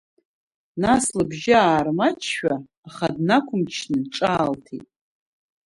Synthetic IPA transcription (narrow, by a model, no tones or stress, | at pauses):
naslɨbʒɪaːrmat͡ʃʰʃᶣaː | χadnakʷʰʊmt͡ʃʰnɨʈ͡ʂʼaːltʰḭtʼ